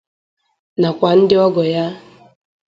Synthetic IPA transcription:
na˨kʷa˨n̩˦dɪ˦ɔ˦ɡɔ˨ja˦

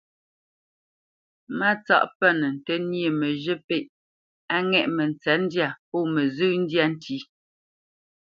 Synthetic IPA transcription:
ma˦t͡sa̰˦ʔpɛ˦˨nə˨n̩˨tɛ˦nje˦˨mə˨ʒə˦pe˦˨ʔ | a˦ŋɛ˦˨ʔmə˨n˨t͡sɛ˨˦n̩˦dja˦˨pɔ˦˨mə˨zʉ˦n̩˦dja˦n˦ti˦

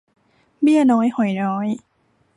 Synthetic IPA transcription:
mi˥˩ənɔː˦˥jho˨˩˦jnɔː˦˥j

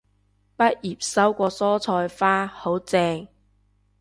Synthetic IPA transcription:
pɐ˥t̚jiː˨˩p̚sɐ˥wkʷɔː˧sɔː˥t͡sʰɔː˧jfaː˥ho˨˥wt͡sɛː˧ŋ

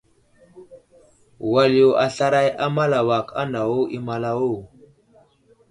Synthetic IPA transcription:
wa˨li˦jo˨a˨ɬa˦ɾa˦ja˦ma˦la˨wa˨ka̰˦nda˨wo˦ʔi˦ma˨la˦wo˦˨

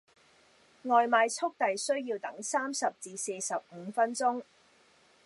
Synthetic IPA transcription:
ŋɔː˨jmaː˨˧jt͡sʰʊ˥k̚t̪ɐ˨jsɵ˥ɥjiː˧wt̪ɐ˨˥ŋsaː˥msɐ˨p̚t͡siː˨˧se˧sɐ˨p̚m̩˨˧fɐ˥nt͡sʊ˥ŋ

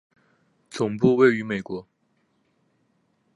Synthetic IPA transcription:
t͡sʊ˨˩ŋpu˥˧we˥˩ɪy˧˥me˨˩ɪkwɔ˧˥

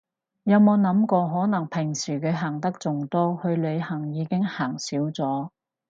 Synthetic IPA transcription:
jɐ˨˧mo˨˧wnɐ˨˥mkɔː˧ɦɔː˨˥nɐ˨˩ŋpʰɪ˨˩ŋsiː˨˩kʰɵ˨˧ɥɦaː˨˩ŋt̪ɐ˥k̚t͡sʊ˨ŋt̪ɔː˥hɵ˧ɥlɵ˨˧ɥhɐ˨˩ŋjiː˨˧kɪ˥ŋhaː˨˩ŋsiː˨˥wt͡sɔː˨˥

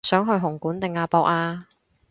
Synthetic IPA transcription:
sœː˨˥ŋɦɵ˧ɥɦʊ˨˩ŋkuː˨˥nt̪ɪ˨ŋaː˧pɔː˨˧k̚aː˧

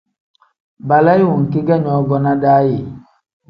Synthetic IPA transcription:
ba˨la˦ji˦wu˨ŋ̩˨ki˦ɡa˦˨ɲɔ˨˦ɡɔ˦na˦daː˦je˨

